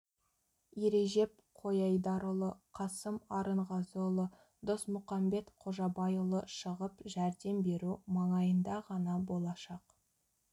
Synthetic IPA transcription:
jeɾe̞ʒe̞p̚ | qʰo̞jɑjd̪ɑɾəlˠəqʰɑsəmɑɾəɴʁɑzolˠə | d̪osmʊqɑmbe̞t̪qʰo̞ʒɑbɑjulˠəʃəʁəpʒæɾd̪e̞mbe̞ɾumɑɴɑjənd̪ɑʁɑnɑbo̞lˠɑʃɑq

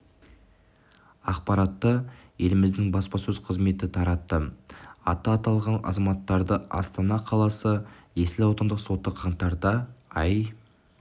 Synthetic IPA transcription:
ɑqpɑɾɑt̪ːəje̞lɪmɪzd̪ɪŋbɑspɑsɵz̥qʰəzme̞t̪ɪt̪ʰɑɾɑt̪ːəɑ̰t̪ːɑːt̪ɑlˠʁɑnɑ̰zɑmɑt̪ːɑɾd̪əɑ̰st̪ɑnɑqʰɑlˠɑsəje̞sɪlɑwt̪ənd̪əqso̞t̪ːəqʰɑɴt̪ɑɾd̪ɑɑj

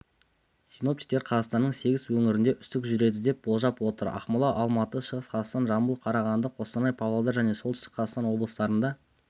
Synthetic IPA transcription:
sijno̞p̚t̪ʲi̥jk̚t̪e̞ɾqʰɑzɑʁst̪ɑnːəɴse̞ɡʲɪzwɵŋɪɾɪnd̪e̞ʔʏst̪ɪkʒʏɾe̞d̪ɪd̪e̞p̚b̥o̞lˠʒɑpwo̞t̪əɾɑ̰χmʊlˠɑʔɑlˠmɑt̪əʃəʁəsqʰɑzɑst̪ɑnʒɑmbulˠqʰɑɾɑʁɑnd̪əqʰo̞st̪ɑnɑjpʰɑvelˠd̪ɑɾʒæne̞solˠʏst̪ɪ̥kqʰɑzɑt̪ɑnwo̞blˠəsət̪ɑɾənd̪ɑ

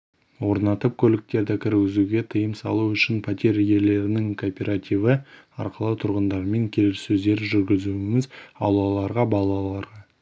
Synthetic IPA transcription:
wo̞ɾnɑt̪əp̚kʲʰɵlɪk̚t̪e̞ɾd̪ɪkʲʰɪɾɪɡʲɪzuɡʲe̞t̪ʰəjəmsɑ̰lˠuʏʃɪnpʰat̪ʲe̞ɾje̞le̞ɾɪnɪŋkʰopʲe̞ɾat̪ʲivə | ɑ̰ɾqəlˠət̪ʰʊɾʁənd̪ɑɾme̞ŋkʲʰe̞lɪsɵzd̪e̞ɾʒʏɾɡʲɪzuɪmɪzɑ̰lˠɑlˠɑɾʁɑbɑlˠɑlˠɑɾʁɑ

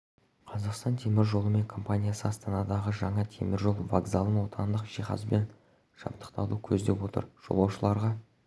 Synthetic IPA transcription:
qʰɑzɑqst̪ɑnt̪ʰe̞mɪɾʒo̞lˠəme̞ŋkʰo̞mpanʲijasəɑst̪ɑnɑd̪ɑʁəʒɑɴɑt̪ʰe̞̰mɪɾʒo̞lˠvaɡzalˠəmwo̞t̪ʰɑnd̪əqʒ̥iχɑ̰zbe̞n | ʒ̥ɑ̰p̚t̪ə̥qt̪ɑlˠukʲʰɵzd̪e̞pwo̞t̪ə̰ɾʒ̥o̞̰lˠɑwʃəlˠɑɾʁɑ

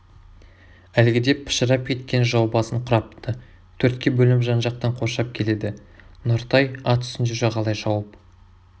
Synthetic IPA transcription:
ælɡʲɪd̪e̞pʰɪ̥ʃəɾɑp̚kʲʰe̞t̪̚kʲe̞nʒɑwbɑsəɴqʰʊɾɑpt̪ə | t̪ʰɵɾt̪kʲe̞bɵlɪmʒɑnʒɑq̚t̪ɑɴqʰo̞ʃɑp̚kʲʰe̞le̞d̪ɪnoɾt̪ɑjɑt̪ʰʏ̥sɪnd͡ʒeʒɑʁɑlˠɑjʒɑwəp

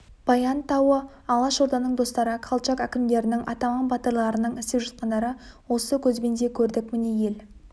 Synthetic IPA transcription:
b̥ɑjɑnt̪ɑwə | ɑlˠɑʃo̞ɾd̪ɑnəɴd̪o̞st̪ɑɾəqʰɑlˠt͡ʃɑkækʲɪmd̪e̞ɾɪnɪŋʔɑ̰t̪ɑmɑnbɑt̪əɾlˠɑɾənəɴɪst̪ɪpʒɑt̪̚qɑnd̪ɑɾəwo̞səkʲʰɵzbe̞nd̪e̞kʲʰɵɾd̪ɪk̚mɪne̞je̞l

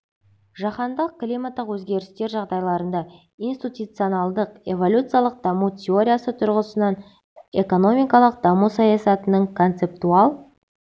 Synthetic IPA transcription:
ʒɑqɑnd̪əq̚klʲijmat̪ːəqwɵzɡʲe̞ɾɪst̪e̞ɾʒɑʁd̪ɑjlˠɑɾənd̪ɑ | ijnst̪ʲit̪ut̪sɨo̞nɑlˠd̪əqe̞vo̞lʲut̪sɨjalˠəq̚d̪ɑmutʲʰeo̞ɾʲijasət̪ʰʊɾʁəsənɑn | e̞ko̞no̞mijkɑlˠəq̚d̪ɑmusɑjɑsɑt̪ənəɴkʰo̞nt̪se̞pt̪uɑlˠ

